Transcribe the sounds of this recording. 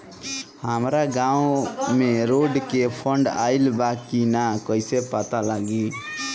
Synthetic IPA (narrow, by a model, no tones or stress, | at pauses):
həmɾaɡãũmeɾoɖkepʰəɳɖa̰ɪlbakinakəjsepat̪alaɡi